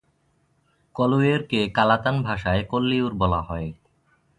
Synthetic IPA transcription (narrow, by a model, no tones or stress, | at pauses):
kɔlueɾkekalat̪anbʱaʃaekolːiuɾbɔlaɦɔe